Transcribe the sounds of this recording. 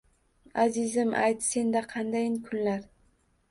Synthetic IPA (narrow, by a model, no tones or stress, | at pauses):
azɪzɪmʔa̰jt̪se̞nd̪aqʰɑnd̪ajɪnkʰʊnlaɾ